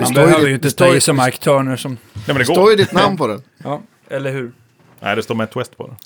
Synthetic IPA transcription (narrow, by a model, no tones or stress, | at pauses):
asmbɛːœːvəjʏɪnt̪ət̪ʰɔsɔmaɾkt̪ʰœːɳəʂɔmɛmɛnd̪ɛt̪oːɾjəd̪ɪt̪namnpʰɔd̪ɛjɑː | ɛlːəɾɦʉɾ | nʔæ̰ɪd̪ɛst̪oːmɛt̪ʰwɛst̪pʰɔ̰d̪ɛ